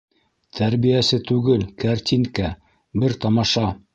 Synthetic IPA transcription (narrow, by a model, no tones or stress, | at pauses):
t̪ʰæɾβijæsɘt̪ʉɡɘlkaɾt̪ʲiŋkæ | bɘɾt̪ɑmɑʃɑ